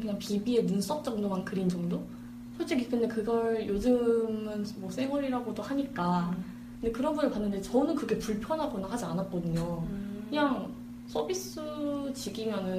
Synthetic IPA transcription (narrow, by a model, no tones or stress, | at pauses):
kɯɲaŋpibie̞nɯns͈ʌk̚t͡ɕ͈ʌŋdomankɯɾind͡ʑʌŋdo | sʰʌɭt͡ɕ͈ekik͈ʰɯnde̞kɯɡʌɭjod͡ʑɯmɯnmwʌsʰe̞ŋwʌɾiɾaɡodohaɲik͈a | kɯndekɯɾʌnbunɯɭpanːɯnde̞t͡ɕʌnɯnkɯɾkʰepuɭpʰjʌnɦaɡonaŋhad͡ʑianat̚k͈ʌdɯɲokɯɲaŋ | s͈ʰʌbis͈ɯt͡ɕiɡimjʌnɯn